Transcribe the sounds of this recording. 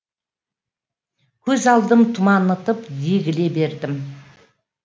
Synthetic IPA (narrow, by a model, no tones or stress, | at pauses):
kʲʰɵzɑlˠd̪əmt̪ʰʊmɑnət̪əpd̪eɡʲɪle̞be̞ɾd̪ɪm